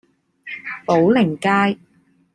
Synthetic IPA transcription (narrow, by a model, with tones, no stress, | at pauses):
po˨˥wlɪ˨˩ŋkaː˥j